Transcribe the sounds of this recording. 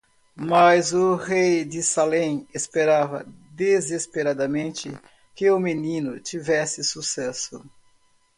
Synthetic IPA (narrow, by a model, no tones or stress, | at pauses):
mɐzʊhejd̪ɪsalẽj̃espeɾavɐ̰d̪ezespeɾad̪ɐmẽnt͡ʃɪ | kɪʊmenĩnʊt͡ʃ̪ivɛsɪsusɛsʊ̰